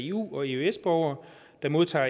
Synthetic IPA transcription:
e̝ṵːɒ̽e̝øesb̥ɒʊ̰ɐ | d̥ɑ̈mo̝ðˠt͡sʰɑ̰̈ː

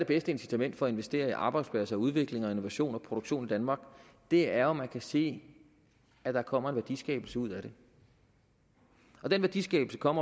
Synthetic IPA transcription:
ɾe̝b̥esd̥əe̝nsi̥t͡sʰæmen̰d̥fɒ̽ɒe̝nʋesd̥e̝̰ːɐiʔɑ̈ːb̥ɑ̈ɪd̥spʰlæsɐuð̞ˠʋe̝ɡ̥le̝ŋɒ̽e̝no̝ʋæɕo̝̰ːnɒ̽pʰʁo̝d̥oɡ̥ɕo̝̰ːnid̥ænmɑ̈ːɡ̥ | d̥e̝æɐɒmːænkʰæse̝̰ː | æd̥ɑkʰɒ̽m̰ɐe̝nʋæɐd̥ḭsɡ̥ɛ̰ːb̥l̩səuð̞̰ˠæɾ̥e̝ | ɒ̽d̥enʋæɐdisɡ̥ɛ̰ːb̥l̩səkʰɒ̽m̰ɐ

